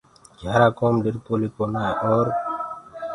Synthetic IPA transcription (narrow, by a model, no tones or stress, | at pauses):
ɡʱjaːɾaːkoːmɖɪɾpoːliːkoːnaːʔoːɾ